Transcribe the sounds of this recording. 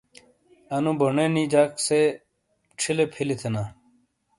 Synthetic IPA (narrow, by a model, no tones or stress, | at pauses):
ɐnũboɳeːnid͡ʑaːkse | ʈ͡ʂʰilepʰilit̪ʰenaː